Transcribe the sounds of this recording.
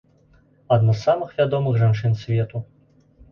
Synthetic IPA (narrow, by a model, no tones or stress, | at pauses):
ad̪nasːamɨxvʲad̪ɔmɨxʐant͡ʂɨnsʲvʲɛt̪u